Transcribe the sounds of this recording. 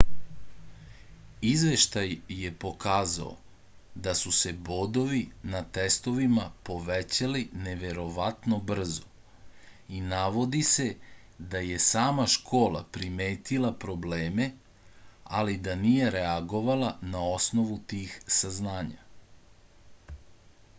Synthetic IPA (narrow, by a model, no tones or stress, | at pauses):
izʋe̞ʃt̪ajːe̞po̞kaːza̰o̰ | d̪asuse̞bo̞d̪o̞ʋinat̪e̞st̪o̞ʋimapo̞ʋet͡ɕalineʋe̞ɾo̞ʋat̪no̞br̩zo | inaʋo̞d̪ise̞ | d̪aje̞saːmaʃkʰo̞ːlˠa̰pɾimeːt̪ilˠapɾo̞bleːme̞ | a̰lid̪anije̞ɾeaɡo̞ʋalanao̞sno̞ʋut̪iːxsaznaːɲa̰